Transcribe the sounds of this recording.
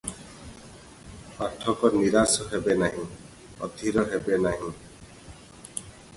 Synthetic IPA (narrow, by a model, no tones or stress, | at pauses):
paʈʰɔkɔniɾasɔɦebenaɦĩ | ɔ̰d̪ʱiɾɔɦebenaɦĩ